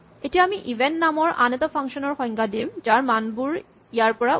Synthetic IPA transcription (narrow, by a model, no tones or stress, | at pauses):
etijaamiʔibʱentnamɔɹʔa̰net̪ɔpʰaŋkʃɔnɔɹxɔjŋɡadimd͡ʒaɹmanbuɹ | ijaɹpɔɹa